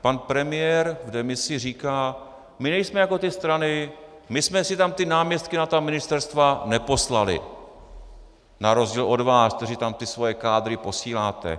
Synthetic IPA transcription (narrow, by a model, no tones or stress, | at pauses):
panpɾɛmɪjɛɾvdɛmɪsɪriːkaː | mɪnɛjsmɛjako̞t̪ɪst̪ɾanɪ | mɪsmɛsɪt̪amt̪ɪnaːmɲɛst̪̚kɪnat̪amɪnɪst̪ɛɾst̪vanɛpo̞slalɪ̰ | naɾo̞zɟiːlʔo̞dvaːskt̪ɛɾɪt̪amt̪ɪsvo̞jɛkaːd̪ɾɪpo̞siːlaːt̪ɛ̰